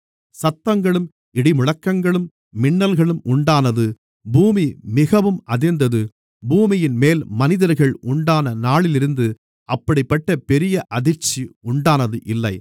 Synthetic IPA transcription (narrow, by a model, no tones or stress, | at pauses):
sɐt̪ːɐŋɡɐɭɯm | ɪɽɪmʊɻɐkːɐŋɡɐɭɯmː | ɪɳːɐlɣɐɭɯmʔʊɳɖaːnɐðɯ | buːmimɪɣɐʋɯmɐðɪɾnd̪ɐðɯ | buːmɪjɪnmeːlmɐnɪðɐɾɣɐɭʊɳɖaːnɐnaːɭɪlɪɾɯnd̪ɯ | ʔɐpːɐɽɪpːɐʈːɐpɛɾɪjɐʔɐðɪɾt͡ʃiʊɳɖaːnɐðɯʔɪlːɐɪ